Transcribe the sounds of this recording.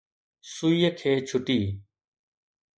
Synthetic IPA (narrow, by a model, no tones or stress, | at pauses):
sʊiːkʰeːt͡ʃʰʊʈiː